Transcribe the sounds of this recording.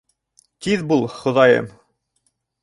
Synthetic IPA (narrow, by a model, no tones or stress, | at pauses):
t̪iðbulˠχŏðɑjɤ̰m